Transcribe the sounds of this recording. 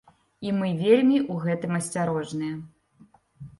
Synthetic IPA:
imɨvʲelʲmʲiʔuɣɛt̪ɨmɐsʲt͡sʲaɾɔʐnɨjɐ

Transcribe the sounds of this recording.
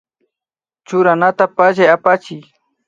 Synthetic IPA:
t͡ʃʊɾanat̪apaʒajapat͡ʃɪj

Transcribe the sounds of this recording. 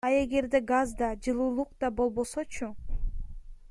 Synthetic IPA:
ɑe̞ɡe̞ɾd̪e̞ɡazd̪ɑd͡ʒɯlˠuːlˠuqd̪ɑbo̞lˠbo̞so̞t͡ʃʰu

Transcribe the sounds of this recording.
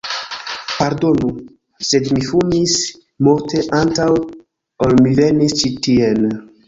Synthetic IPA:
paɾdo̞nu | sedmifunis | moɾtʰeʔantaw | olmivenist͡ʃitien

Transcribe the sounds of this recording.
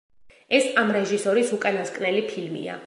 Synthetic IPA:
ɛsamɾɛʒisɔɾisukʼanaskʼnɛlipʰilmḭa̰

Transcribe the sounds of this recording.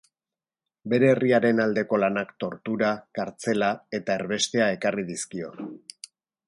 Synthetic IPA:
be̞ɾe̞ːriaɾe̞nald̪e̞ko̞lanakt̪o̞ɾt̪uɾakaɾt͡se̞lae̞t̪aeɾβe̞st̪e̞ae̞kariðiskio̞̰

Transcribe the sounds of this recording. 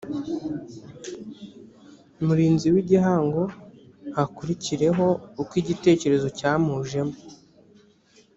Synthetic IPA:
muɾiːnziwiɟiɦaːŋɡo̞hakuɾiciɾe̞ɦo̞ukwiːɟite̞ːce̞ɾe̞zo̞caːmuːʒe̞mo

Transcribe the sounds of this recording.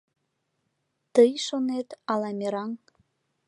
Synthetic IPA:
t̪əjʃonet̪ɑlɑmʲeɾɑŋ

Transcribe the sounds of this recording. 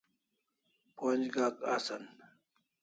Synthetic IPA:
poːnd͡ʑɡaːkaːsɐn

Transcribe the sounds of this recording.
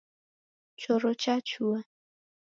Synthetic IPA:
t͡ʃɔɾɔt͡ʃat͡ʃua

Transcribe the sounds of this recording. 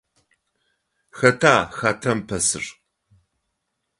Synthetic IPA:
xɐtʰaːxaːtʰɐmpʰɐsɨ̰r

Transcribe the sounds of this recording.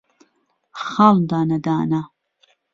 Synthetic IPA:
χald̪aːnɐd̪aːna

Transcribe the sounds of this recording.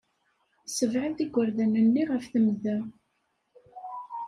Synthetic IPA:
səvʕəlt̪iɡʷːəɾðænənːiʁəfθəmðæ

